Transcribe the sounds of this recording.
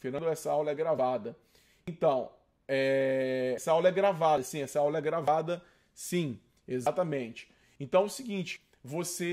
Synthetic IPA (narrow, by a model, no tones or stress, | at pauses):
feɾnɐ̃nd̪ʊɛsɐawlɐɛɡɾavad̪ɐ | ẽnt̪ɐ̃w̃ | ɛɛsɐawlɐɛɡɾavad̪ɐsĩɛsɐawlɐɛɡɾavad̪ɐ | sĩ | ezat̪ɐmẽnt͡ʃɪ̥ | ẽnt̪ɐ̃w̃ʊsiɡĩnt͡ʃɪ̥ | vose